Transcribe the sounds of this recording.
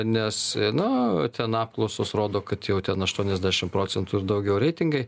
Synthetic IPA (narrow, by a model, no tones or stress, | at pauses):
nʲɛsnʊt̪ʲɛnɑːp̚klˠɒʊsoːsɾoːd̪oːkɐt̪jɛʊt̪ʲɛnɐʃt̪uɔnʲɛzʲd̪ʲæːʃʲɪmpɾoːt͡sʲɛnt̪uɪrd̪ɐʊɡʲɛʊɾʲɛɪt̪ʲɪŋɡɐɪ